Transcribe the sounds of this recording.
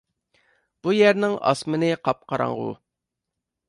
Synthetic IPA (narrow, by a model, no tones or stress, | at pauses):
b̥ujɛɾnɪŋɑ̰smɨnɪqʰɑp̚qʰɑɾɑ̰ɴʁṵ